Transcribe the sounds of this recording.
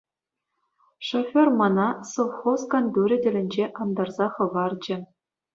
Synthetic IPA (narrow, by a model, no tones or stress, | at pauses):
ʂofʲormɑnɑsoʋχoskɑnd̪ʲuɾʲɘ̆dʲɘ̆lʲɘ̆nʲd͡ʑeʔɑnd̪ɑrzɑχɤ̆ʋɑrd͡ʑɘ̆